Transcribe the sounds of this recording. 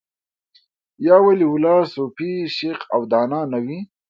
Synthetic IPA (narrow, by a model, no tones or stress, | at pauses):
jɑːwaliwʊlɑːsopiʃeqawd̪ɑːnɑːnawi